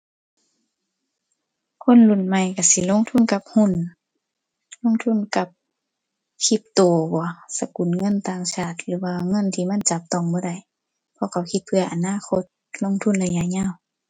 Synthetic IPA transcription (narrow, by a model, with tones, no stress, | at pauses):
kʰo˧˥˨nlu˧˩˨nma˧˨jka˧˩si˧˦lo˧˥˨ŋt̪ʰu˧˥˨nka˧p̚hu˧˥˨n | lo˧˥˨ŋt̪ʰu˧˥˨nka˧˦p̚ | kʰi˧p̚t̪oː˨bɔː˨˦sa˧ku˨nŋɤ˧˥˨nt̪aː˧˨ŋsʰaː˧˩t̪̚lɯː˨˧˦waː˧˨ŋɤ˧˥˨nt̪ʰiː˧˨ma˧˥˨nt͡ɕa˧˦p̚t̪ɔ˧˨ŋbɔː˧˦da˧˨j | pʰɔ˧˨kʰa˧˩whʰi˧˦t̪̚pʰɯ˧ɐʔa˨naː˧˥˨kʰo˧˥t̪̚ | lo˧˥˨ŋt̪ʰu˧˥nlɛ˧˨ɲa˧˨ɲaː˧˥˨w